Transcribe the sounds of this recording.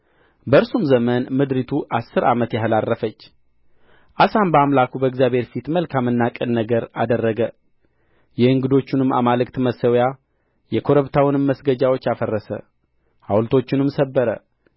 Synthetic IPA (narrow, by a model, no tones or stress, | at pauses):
bəɨɾsumzəmənmɨd̪ɾit̪ʰuʔasːɨɾamət̪jaɦlarːəfət͡ʃː | ʔasambəamlakubəɪɡzjabheɾfit̪məlkʰamɨnːakʼɨnːəɡəɾa̰d̪ərːəɡə | jɛɨŋɡɨd̪o̞t͡ʃːɪnɨma̰malɨkt̪məsəwja | jɛkʰo̞ɾəβt̪ʰawɨnɨmːəsɡəd͡ʒawo̞t͡ʃːjafərːəsə̰ | ha̰wlt̪ʰo̞t͡ʃːɪnɨmsəbːəɾə̰